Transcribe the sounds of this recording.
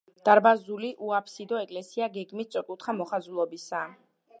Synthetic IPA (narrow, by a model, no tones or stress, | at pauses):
d̪̥aɾbazuliʔuapʰsid̪ɔɛkʼlɛsiaɡɛɡmistsʼɔkʼut̪ʰχamɔχazulˠɔbisa